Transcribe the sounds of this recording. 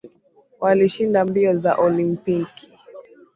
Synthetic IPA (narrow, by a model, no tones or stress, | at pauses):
waliʃindambiɔza̰ʔɔlimpiki̥